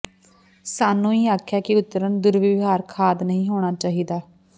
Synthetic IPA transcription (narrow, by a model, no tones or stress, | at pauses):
saːnːũːiːaːkʰːaːkɪʊt̪ːəɾənd̪ʊɾʋɪʋɦaːɾkʰaːd̪nəɦĩːɦoːɽ̃aːt͡ʃaːɦiːd̪aː